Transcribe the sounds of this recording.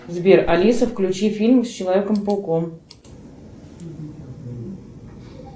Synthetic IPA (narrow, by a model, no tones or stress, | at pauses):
zbʲerʔɐlʲisəfklʲʉt͡ɕifʲilʲmsʲt͡ɕɪlˠɐvʲekəmpəlˠkom